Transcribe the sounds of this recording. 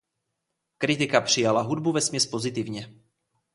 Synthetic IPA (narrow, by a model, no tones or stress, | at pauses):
kɾɪt̪ɪkapr̝̥ɪjalaɦudbuvɛsmɲɛspo̞zɪt̪ɪvɲɛ